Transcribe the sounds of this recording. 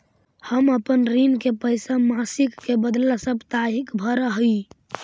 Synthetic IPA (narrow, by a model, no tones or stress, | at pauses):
həməpənɾinkepəjsamasikːebəd̪lasəbt̪aɦikbʱəɾəɦi